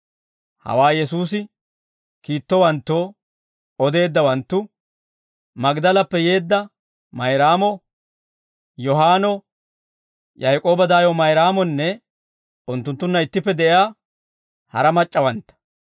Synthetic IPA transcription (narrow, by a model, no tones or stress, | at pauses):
hɐ̰waːjɛsuːsɪ | kiːt̪ːɔwɐnt̪ːoː | ɔd̪e̞ːd̪ːɐwɐnt̪ːʊ | mɐɡd̪ɐlɐpːɛje̞ːd̪ːɐ | mɐjɾaːmɔ | jɔɦaːnɔ | jɐjkʼo̞ːbɐd̪aːjɔmɐjɾaːmɔnːɛ | ʊnt̪ːʊnt̪ːʊnːɐɪt̪ːɪpːɛd̪ɛʔaː | hɐ̰ɾɐmɐt͡ʃʼːɐwɐnt̪ːɐ̥